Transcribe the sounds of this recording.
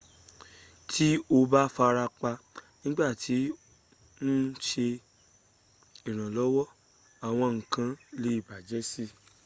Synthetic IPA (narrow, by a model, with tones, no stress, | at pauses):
tʰi˦o˧ba˦fa˧ɾa˧k͡pa˧nĩ˦ɡ͡ba˦˨ti˨˦ | nũ˦ʃe˧ | i˨ɾ̃ã˨lɔ˨˦wɔ˦ | a˨w̃ɔ̃˧ŋ̩˨kã˧˦le˨˦i˦˨ba˨d͡ʒɛ˨˦si˦